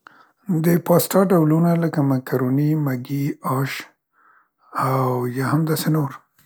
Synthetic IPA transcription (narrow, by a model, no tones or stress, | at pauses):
d̪əpɑsʈɑɖawlunaləkamakaɾonimaɡiɑʃ | awjɑhamd̪ɑsenoɾ